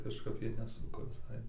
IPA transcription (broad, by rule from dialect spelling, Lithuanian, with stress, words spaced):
kɐʃˈkɐp ˈjiɛ nʲɛˈsʊkoː ʋʲɪsɐɪ